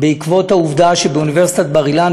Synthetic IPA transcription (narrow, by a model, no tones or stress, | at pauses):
beikvo̞thauvd̪aʃebeuniveʁsit̪at̪̚baʁilan